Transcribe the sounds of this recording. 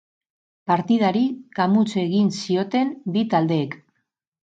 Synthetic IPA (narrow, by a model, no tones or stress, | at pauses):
paɾt̪ið̞aɾikamut͡se̞ɣ̞insio̞t̪e̞mbit̪ald̪e̞ːk